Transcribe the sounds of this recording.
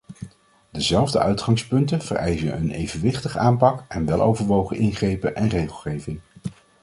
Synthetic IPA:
dəzɛlˠvdəœɥtχɑŋspɵntənv̥ə̰rɛjzəə̰nejvənʋɪχtəχəʔaːmpɑkɛnʋɛlˠo̰wvəɹʋowχəʔɪnχrejpəʔɛnrejχəlˠχejvɪŋ

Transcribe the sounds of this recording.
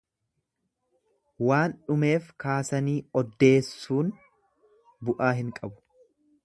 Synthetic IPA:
waːnᶑʊme̞ːfkaːsɐniːɔd̪ːe̞ːsːuːn | bʊʔaːɦɪŋkʼɐbʊ̥

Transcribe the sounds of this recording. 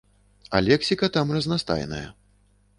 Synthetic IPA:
ɐ̰lʲɛksʲikɐt̪amrɐznast̪a̰jnɐ̰jɐ̰

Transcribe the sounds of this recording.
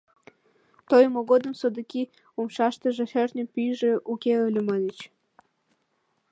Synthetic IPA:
t̪ojmoɣod̪əmsod̪əki | umʃɑʃt̪əʒĕhernʲəpyjʒĕukʲeølʲumɑlʲit͡ɕ

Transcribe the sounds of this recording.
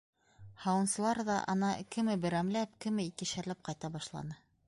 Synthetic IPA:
hɑwɤ̆nsɤ̆lˠɑɾðɑ̰ʔɑ̰nɑkɘ̆mɘbɘ̆ɾæmlæpkɘ̆mɘikɘ̆ʃæɾlæp̚qɑjt̪ɑbɑʃlˠɑ̰nɤ

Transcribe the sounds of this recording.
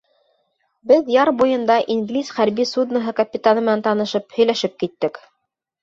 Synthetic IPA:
bɘðjɑɾbujɤ̆nd̪ɑʔinɡlʲisχæɾbisud̪nɤɦɤkɐpʲɪt̪anɤmɘ̆nænt̪ɑnɤ̆ʃɤphɵ̆jlæʃɘp̚kit̪ːɘk

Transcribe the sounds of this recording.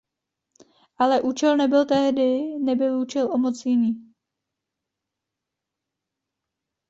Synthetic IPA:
ʔalɛʔuːt͡ʃɛlnɛbɪlt̪ɛɦdɪnɛbɪluːt͡ʃɛlʔomot͡sjɪniː

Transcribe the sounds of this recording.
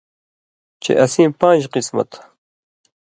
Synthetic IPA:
t͡ʃḛʔɐsiːmpãːnd͡ʒqismɐ̰t̪

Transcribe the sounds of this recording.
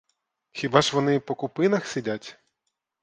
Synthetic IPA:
xʲibɑʒʋɔnɪpɔkʊpɪnɐxsʲidʲatʲ

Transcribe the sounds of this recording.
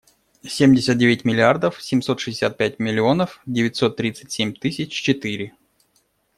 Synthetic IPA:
sʲemʲdʲɪsʲət̪̚dʲevʲɪtʲmʲɪlʲɪard̪əfsʲɪmʲso̞t̪ʂɨzʲɪsʲat̪̚pʲætʲmʲɪlʲɪo̞nəfdʲɪvʲɪtʲso̞t̪ːɾʲit̪sɨ̥tʲsʲemʲt̪ɨsʲɪt͡ɕt͡ɕɪt̪ɨɾʲɪ

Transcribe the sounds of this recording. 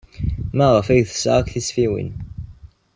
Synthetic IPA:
mæʁəfæʝθə̥sʁakθisfiwḭn

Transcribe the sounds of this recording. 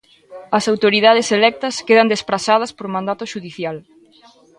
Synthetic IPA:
ɐsawt̪oɾiðað̞eselɛk̚t̪ɐskeðɐnd̪espɾasað̞ɐspoɾmãnd̪at̪ʊʃuðiθjal

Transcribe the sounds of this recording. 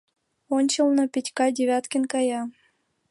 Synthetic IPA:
onʲt͡ɕəlˠnŏpʲitʲkɑdʲevʲat̪kʲənkɑjɑ

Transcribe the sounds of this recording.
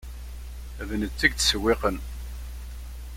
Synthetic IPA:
vnət͡sːæɡt͡sːə̥səwːeqən

